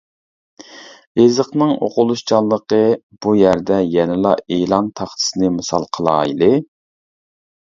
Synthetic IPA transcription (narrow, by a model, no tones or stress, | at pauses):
ezəqnɨŋo̰qʊlˠuʃt͡ʃʰɑlˠːəqə | b̥ujæɾd̪ɛjɛnɪlˠɑeːlˠɑnt̪ʰɑχt̪ʰɨ̥sɨnɨmɨsɑ̰lˠqʰəlˠɑ̰ːilɪ